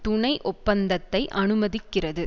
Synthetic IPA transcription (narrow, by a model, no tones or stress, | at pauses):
t̪ʊɳɐɪʔɔpːɐnd̪ɐt̪ːɐɪʔɐnɯmɐðɪkːɪrɐðɯ